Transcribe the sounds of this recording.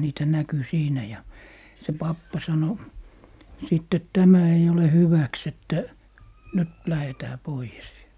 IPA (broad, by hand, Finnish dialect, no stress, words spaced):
niːtæ næky siːnæ jɑ se pɑpːɑ sɑno sitːe tæmæ ei ole hyʋæks etːæ nyt læhetæː poijes